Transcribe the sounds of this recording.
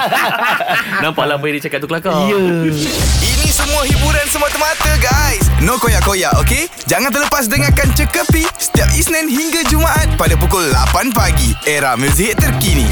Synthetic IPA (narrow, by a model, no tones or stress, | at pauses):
nãmpaʔlapəidit͡ʃakat̪t̪uklakajə | inĩsəmũaɦibuɾansəmuat̪əmat̪əɡajsnokojaʔkojaʔoke | d͡ʒaŋant̪ərləpas̬dəŋakant͡ʃəkəpisə̥t̪iap̚isnɛ̃nɦiŋɡad͡ʒumaʔat̪̚padap̬ukʊlːa̰panpaɡieɾamus̬iɦɪt̪ːərkinḭ̃